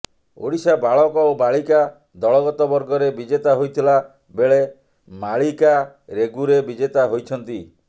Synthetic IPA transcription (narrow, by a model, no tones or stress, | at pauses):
o̰ɽisabaɭɔkɔobaɭika | d̪ɔɭɔɡɔt̪ɔbɔɾɡɔɾebid͡ʒet̪aɦojt̪ʰila | beɭe | maɭika | ɾeɡuɾebid͡ʒet̪aɦojt͡ʃʰɔnt̪i